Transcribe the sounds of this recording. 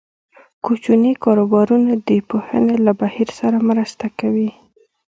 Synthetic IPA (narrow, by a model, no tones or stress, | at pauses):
kut͡ʃunikɑɾobɑɾunad̪əpohə̰nelabahiɾsaɾamɾəst̪akawi